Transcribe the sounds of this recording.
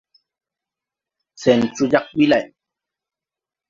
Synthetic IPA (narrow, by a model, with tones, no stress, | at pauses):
t͡sɛ˨nt͡ʃu˦ja˦k̚ɓi˦la˦˨j